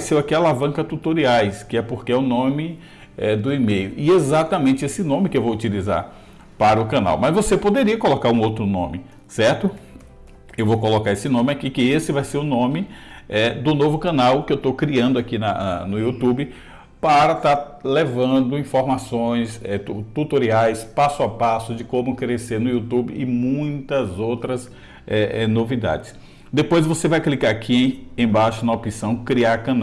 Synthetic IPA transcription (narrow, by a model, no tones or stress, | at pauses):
vajseɾakialavɐ̃ŋkɐt̪ut̪oɾiajskɪɛpoɾkɪɛʊnõmɪ | ɛd̪ʊimejʊɪezat̪ɐmẽnt͡ʃɪesɪnõmɪkɪewvowut͡ʃiliza̰ɾ | paɾɐʊkɐ̃na̰wmɐzvosepod̪eɾiɐkolokaɾũowt̪ɾʊnõ̰mɪ | sɛɾt̪ʊ | ewvowkolokaɾesɪnõmɪakikɪesɪvajseɾʊnõmɪɛd̪ʊnovʊkɐ̃nawkɪewt̪okɾiɐ̃nd̪ʊakinɐ̰nɐ̰nʊut̪ubɪ | paɾɐt̪aɾ | levɐ̃d̪ʊĩfoɾmasõj̃sɛut̪ut̪oɾiajspasʊapasʊd͡ʒɪkõmʊkɾeseɾnʊiut̪ubɪ̰ɪmũj̃t̪ɐzowt̪ɾɐs | ɛʔɛnovid̪a̰d͡ʒɪs | d̪epojzvosevajklikaɾakʰiẽẽj̃baʃʊnɐopisɐ̃w̃kɾiaɾkɐ̃n